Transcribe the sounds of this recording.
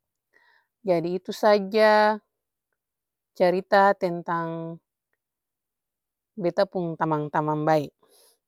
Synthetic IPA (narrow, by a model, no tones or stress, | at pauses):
d͡ʒadiːt̪usad͡ʒa | t͡ʃaɾit̪at̪ɛnt̪aŋ | bɛt̪apuŋt̪amaŋt̪amambaiʔ